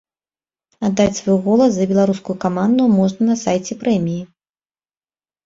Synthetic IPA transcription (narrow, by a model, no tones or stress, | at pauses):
ad̪ːat͡sʲsvɔjuɣɔlˠɐs̬ɐbʲɛlˠaɾuskujukamand̪umɔʐnɐnɐsajt͡sʲɛpɾɛmʲiji